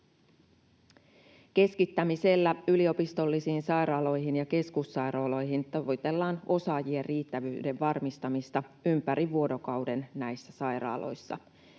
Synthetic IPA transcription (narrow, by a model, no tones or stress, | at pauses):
k̟e̞skit̪ːæmise̞lːæylio̞pist̪o̞lːisiːnsɑjɾɑːlo̞jɦinjɑke̞skusːɑjɾoːlo̞jɦint̪oʋojt̪e̞lːɑːno̞sɑːjieriːt̪ːæʋyːde̞ʋʋɑrmist̪ɑmist̪ɑympæɾiʋuo̞do̞kɑwde̞nnæjsːæsɑjɾɑ̰ːlo̞̰jsːɑ̰